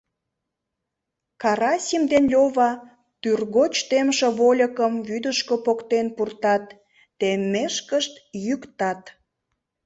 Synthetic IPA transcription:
kɑɾɑsʲimd̪enlʲoβɑ | t̪yrɣot͡ɕt̪emʃeβolʲəkəmβyd̪əʃkopokt̪enpurt̪ɑt̪ː | emːeʃkəʃt̪jykt̪ɑt̪

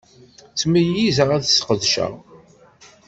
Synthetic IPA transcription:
t͡sːmijizəʁæðsqəðʃə̰ʁ

